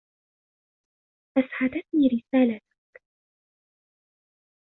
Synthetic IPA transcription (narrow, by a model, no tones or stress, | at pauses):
ʔasʕad̪at̪niːɾɪsaːlat̪ʊ̥k